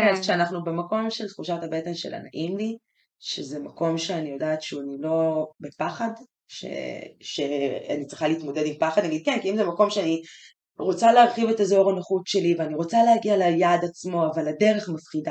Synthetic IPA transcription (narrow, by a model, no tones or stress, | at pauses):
azʃeanaχnubemako̞mʃelt̪χuʃatabe̞tenʃela̰na̰ʔimli | ʃezemako̞mʃe̞anijo̞daːtʃuanilo̞bepaχad | ʃḛʃe̞a̰nit͡sʁiχaliːtmo̞dedimpaχadnaɡid̪̚kenkiimzemako̞mʃeani | ʁo̞t͡saleaʁχive̞tazoʁanaχutʃe̞liveaniʁo̞t͡salehaɡialajadat͡smo̞avalade̞ʁe̞χmafχida